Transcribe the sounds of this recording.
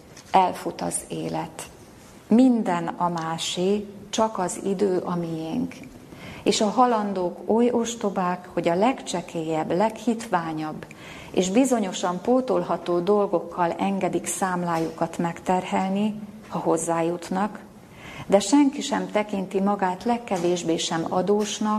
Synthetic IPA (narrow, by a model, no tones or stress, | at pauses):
ɛlfut̪ɒ̰zeːlɛt̪ | mind̪ɛnɒmaːʃit͡ʃɒkɒzḭd̪øːʔɒmijeŋk | eːʃɒɦɒlɒnd̪oːko̞jo̞ʃt̪o̞baːkho̞ɟɒlɛkt͡ʃɛkeːjɛbːlɛkhit̪ʋaːɲɒbː | ḛːʒbizo̞ɲo̞ʃɒmpoːt̪olɦɒt̪oːd̪o̞lɡo̞kʰːɒlɛŋɡɛd̪iksaːmlaːjukɒt̪mɛkt̪ɛrɦɛlni | hɒɦo̞zːaːjut̪nɒk | d̪ɛʃɛŋkiʃɛmt̪ɛkint̪imɒɡaːt̪lɛkːɛveːʒbeːʃɛmɒ̰d̪oːʃnɒk